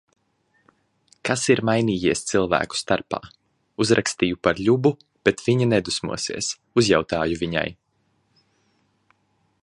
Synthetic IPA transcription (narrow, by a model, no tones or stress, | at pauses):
kasiɾmajniːjiɛst̪silˠvæ̰ːku̥st̪aɾpa̰ː | uzɾʔakst̪iːjupaɾʎʲubu | b̥et̪v̥iɲanɛd̪usmṵɔsḭɛs | uzjawt̪aːjuvʲiɲa̰j